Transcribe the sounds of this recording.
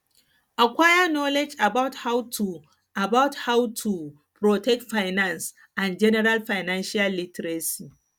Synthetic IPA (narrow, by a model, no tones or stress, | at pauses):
ʔakʷaːjanolɛd͡ʒʔabawthawtʰu | ʔabawthawtʰu | pɾotɛk̚tfajnans | ʔand͡ʒɛnɛɾalɸajnanʃɪjalːɪtɾesiː